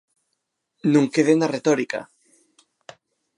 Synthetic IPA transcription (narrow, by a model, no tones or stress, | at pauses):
nũŋkeðenaret̪oɾika̰